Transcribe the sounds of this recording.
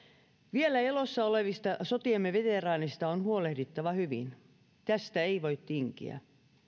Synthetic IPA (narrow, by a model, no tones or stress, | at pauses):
ʋielæelosːɑoleʋist̪ɑsot̪iemːeʋet̪erɑːnist̪ɑonhuolehdit̪ːɑʋɑhyʋḭn | t̪æst̪æeiʋoit̪ːiŋkḭæ̰